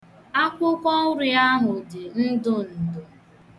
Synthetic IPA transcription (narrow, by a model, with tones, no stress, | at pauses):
a˦kʷʊ˦kʷɔ˦ɾɪ˨˦a˦ɦʊ˨dɪ˨n̩˦dʊ˦n̩˨dʊ˦